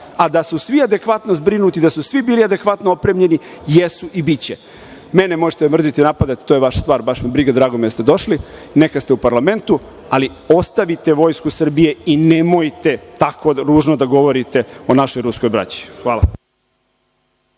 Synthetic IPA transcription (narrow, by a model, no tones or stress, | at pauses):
ad̪asusʋiad̪e̞kʋat̪no̞zbɾinut̪id̪asusʋibiːliad̪e̞kʋat̪noopɾemʎe̞nijesuʔibit͡ɕe | menemoʒet̪emr̩zit̪inapad̪at̪i̥t̪ojeʋaʃḁst̪ʋaːɾbaʃmibɾiɡad̪ɾaːɡomid̪ast̪e̞d̪o̞ʃlinekast̪eupaɾlame̞nt̪u | ali | o̞st̪aʋit̪e̞ʋo̞ːjskusr̩bije̞inemojt̪e̞t̪ako̞ɾuːʒnod̪aɡo̞ʋoɾit̪e̞o̞naʃo̞jɾusko̞jbɾa̰t͡ɕi̥xʋaːla̰